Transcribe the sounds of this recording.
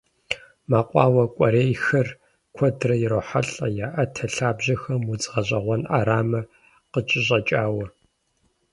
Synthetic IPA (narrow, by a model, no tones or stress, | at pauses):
maːqʷʼɑːwɐkʷʼɐɾeːjxɐr | kʷʰɔdrɐjɪɾoːħaɬʼɐjaːʔɐtʰɐɬaːbʑɐxɐmut͡sʼʁɐʑʼɐʁʷɔna̰ːɾaːmɐ | qət͡ʃʼɪɕʼɐt͡ʃʼaːwɐ